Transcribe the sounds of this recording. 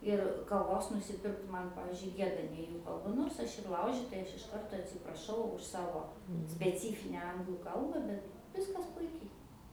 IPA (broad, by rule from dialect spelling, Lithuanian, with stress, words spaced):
ɪr kɐˈʋoːs nʊsʲɪˈpʲɪrkt ˈmɐn ˈpɑːʋʲiːzʲd͡ʒʲʊɪ ˈɡʲiɛdɐ nʲɛ ˈjuː kɐlˠˈbɐ ˈnoːrs ɐʃ ɪr ˈlˠɐʊʒʲɪtɐɪ ˈɐʃ ɪʃ ˈkɐrtoː ɐtʲsʲɪprɐˈʃɐʊ ʊʃ ˈsɑːʋoː sʲpʲɛˈt͡sʲiːfʲɪnʲɛ ˈɐŋɡlˠuː ˈkɐlˠbɐ ˈbʲɛt ˈʋʲɪskɐs ˈpʊɪkʲɛɪ